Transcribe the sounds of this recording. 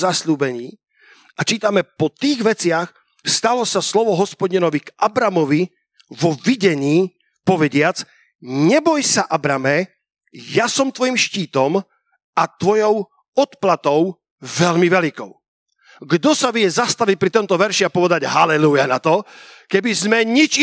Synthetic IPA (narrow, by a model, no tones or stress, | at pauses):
zasʎuːbɛɲiː | ʔat͡ʃiːt̪amɛpɔt̪iːɣʋɛt͡sɪax | st̪alɔsaslɔʋɔɦɔspɔɟinɔʋikʔabɾamɔʋi | ʋɔviɟɛɲiː | pɔʋɛɟɪat͡s | ɲɛbɔjsaʔabɾamɛ | jasɔmt̪ʋɔjimʃciːt̪ɔm | at̪ʋɔjɔʊ | ɔt̪plat̪ɔʊ | ʋɛʎmiʋɛlikɔ̰ʊ | ɡd̪ɔsaʋɪjɛzast̪aʋic̚pɾit̪ɔnt̪ɔʋɛɾʃiapɔʋɛd̪aɟɦalɛlujanat̪ɔkɛbizmɛɲit͡ʃ